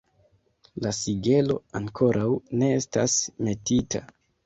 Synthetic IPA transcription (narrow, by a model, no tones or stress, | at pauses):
lasiɡe̞lo̞̰aŋkʰo̞ɾʔawne̞estasme̞titʰa̰